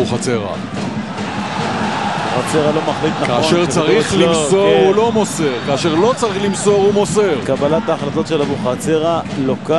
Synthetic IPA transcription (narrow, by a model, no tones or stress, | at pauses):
uχat͡seʁa̰ | uχat͡se̞ʁalo̞maχliknakaːʃeʁt͡saʁiχlimsoʁolo̞moseʁkaːʃeʁlo̞t͡saʁiχlimso̞ʁumoseʁkabalat̪aːχlat̪o̞t̪ʃelavuχat͡seʁaloka